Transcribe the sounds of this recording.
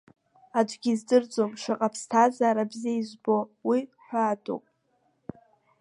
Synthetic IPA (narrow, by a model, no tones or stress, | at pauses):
ad͡ʒʷɡʲizdɨrd͡zʼomʂɨqʼapʰstʰazaːɾabziaizʷbo̞wiħʷaːdʼo̰wpʼ